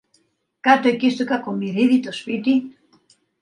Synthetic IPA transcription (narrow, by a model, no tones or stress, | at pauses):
kat̪oekist̪ukakomiɾiðit̪ospit̪i